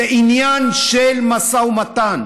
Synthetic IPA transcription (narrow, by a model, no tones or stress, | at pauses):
eʔinjanʃelmasawmat̪an